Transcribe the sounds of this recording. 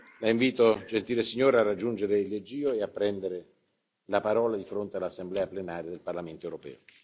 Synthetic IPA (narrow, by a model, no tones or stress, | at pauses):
laiɱviːt̪od͡ʒent̪iːlesiɲːɔːɾearːad͡ʒːund͡ʒeɾeilːed͡ʒiːoeapːɾɛnd̪eɾɪ | lapaɾɔːlad̪ifɾont̪ealːasːemblɛːaplenaːɾjad̪elparlament̪oewɾopɛ̰ːo